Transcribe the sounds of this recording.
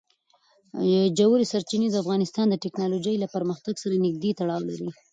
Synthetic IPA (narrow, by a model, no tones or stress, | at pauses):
jd͡ʒawɾisaɾt͡ʃined̪əafɣɑnɪst̪ɑnd̪əʈɪknɑlod͡ʒajlapəɾməxt̪aɡsaɾanɪɡ̚d̪et̪aɽɑwla̰ɾi